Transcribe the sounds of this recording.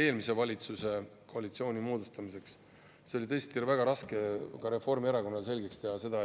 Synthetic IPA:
e̞ːlmise̞vɑlʲit̪suse̞ko̞ɑlʲit̪sio̞ːnimoːd̪ust̪ɑmise̞ks | seo̞lʲit̪ɤ̞est̪iɾvæɡ̥ɑɾɑske̞kɑɾe̞fo̞rmieɾɑko̞nːɑs̬e̞lʲɡekst̪e̞ɦɑse̞d̪ɑ

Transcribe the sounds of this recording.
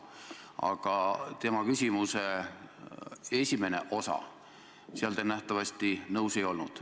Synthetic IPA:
ɑ̰ɡ̥ɑt̪e̞mɑkysʲimuse̞ | e̞sʲime̞ne̞̰ʔo̞sɑ̰ | siɑlt̪enæht̪ɑvɑst̪inɤwse̞jo̞lnud̪̥

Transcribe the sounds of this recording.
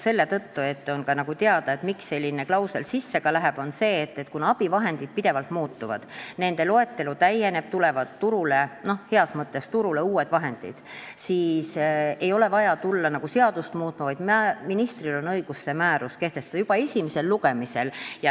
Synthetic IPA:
se̞lːe̞t̪ɤt̪ːue̞t̪ːo̞nkɑnɑɡ̥ut̪eɑd̪̥ɑe̞t̪miksːe̞lʲːine̞klɑwselsisːe̞kɑlæɦeb̥o̞nse̞ːt̪ːe̞t̪kunɑb̥ivɑɦe̞nd̪id̪̥̚pid̪e̞vɑlt̪muːt̪ːuvɑ̰d̪̥ne̞nd̪̥e̞lo̞e̞t̪ːe̞lut̪æje̞ne̞b̥̚t̪ule̞vɑt̪ːuɾuleno̞hhe̞ɑsmɤt̪ːe̞st̪uɾule̞uːe̞d̪̥vɑɦe̞nd̪̥ḭd̪̥siːse̞jo̞le̞vɑjɑt̪ulːɑnɑɡ̥use̞ɑd̪̥ust̪muːt̪ːˑmɑvɑjd̪mæminist̪rilo̞nɤjɡ̥usːe̞mæːɾuske̞ht̪est̪ɑd̪ɑjub̥ɑe̞sʲimise̞lːuɡe̞mise̞ljɑ

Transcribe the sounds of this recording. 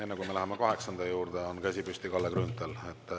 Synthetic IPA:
e̞nːekujme̞læɦemekɑɦe̞ksɑnd̪̥ɑjuːɾd̪̥eo̞nkæsʲipysʲt̪ikɑlːekrynt̪ːˑelet̪ːˑ

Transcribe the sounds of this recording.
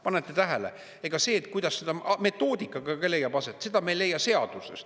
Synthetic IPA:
pɑnet̪ːˑet̪æɦele | eɡ̥ɑse̞ːt̪ˑkujd̪̥ɑsːed̪̥ɑme̞t̪ːˑo̞ːd̪ikːˑɑɡ̥ɑɡɑle̞jːɑbɑset̪ːˑse̞d̪ɑme̞jlːe̞jːɑse̞ɑd̪̥usḛst̪

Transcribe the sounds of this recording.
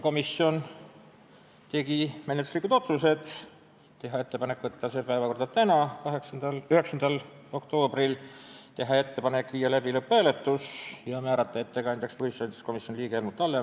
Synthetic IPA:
ko̞misio̞n | t̪e̞ɡ̥ime̞net̪ːˑu̥slikud̪̥o̞t̪suse̞d̪̥ | t̪e̞ɦɑe̞t̪ːe̞pɑnekːvɤt̪ːɑse̞ːpæevɑko̞rd̪̥ɑt̪ænɑkɑɦeksɑd̪ɑlyhe̞ksɑnd̪ɑl | o̞kt̪o̞ːbrilt̪e̞ɦɑe̞t̪ːe̞pɑne̞kːˑvijːɑlæbilɤpˑːæːle̞t̪ːˑusjɑmæːɾɑt̪ːˑɑe̞t̪ːekɑnd̪ekspuhisɑnt̪e̥sko̞misjonliːɡ̥eelmut̪ːˑɑlːe

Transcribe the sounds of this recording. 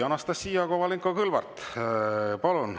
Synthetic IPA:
ɑnɑst̪ɑsːiːɑkovɑliŋkokɯlvɑ̰rt̪ | pɑlun

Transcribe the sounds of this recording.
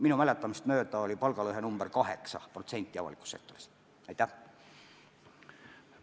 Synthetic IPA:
minumælet̪ːˑɑmist̪møːt̪æolʲipɑlɡ̥ɑløɦenumb̥ərkɑɦḛksɑ̰prot̪se̞nʲt̪ːˑiɑ̰ɑ̰likˑu̥sːek̚t̪ːori̥s | æjt̪ːˑæ

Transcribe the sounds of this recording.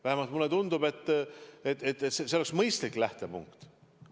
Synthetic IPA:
væhemɑlt̪mulːet̪und̪ube̞t̪ːet̪ːet̪ːet̪seseoleksmɤjst̪likːˑlæht̪e̞pṵŋkt̪

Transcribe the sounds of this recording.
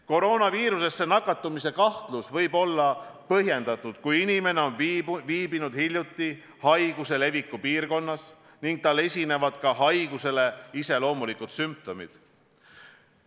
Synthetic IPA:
ko̞ɾo̞ːnɑviːɾuse̞sːe̞nɑkːˑɑt̪ːˑumise̞kɑht̪lusvɤ̞jbo̞lːɑpɤɦje̞nd̪ɑt̪ˑːud̪̥kujinime̞ne̞o̞nvviːbinud̪̥hilʲjut̪ːˑi | hɑjɡ̥use̞le̞vikːˑupiːrko̞nːɑs | niŋɡ̥̚t̪ɑlːe̞sʲine̞vɑd̪̥kɑɦɑjɡ̥use̞le̞ise̞lo̞ːmulikut̪symp̚t̪o̞mḭd̪̥

